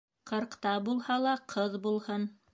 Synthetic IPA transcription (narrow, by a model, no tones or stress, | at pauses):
qʰɤ̆ɾqt̪ɑbulˠhɑlˠɑqʰɤðbulˠhɤn